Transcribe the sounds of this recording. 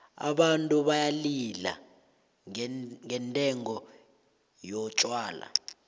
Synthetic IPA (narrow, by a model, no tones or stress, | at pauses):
a̰ɓantʼuɓajalila̰ | ŋɛntʼɛŋɔ | jɔt͡ʃʼwaːla̰